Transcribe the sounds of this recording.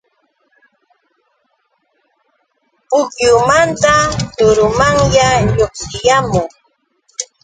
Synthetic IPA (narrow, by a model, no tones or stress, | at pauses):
pʊkjʊmant̪anʊɾʊmaŋjaʎoχsɪjamʊŋ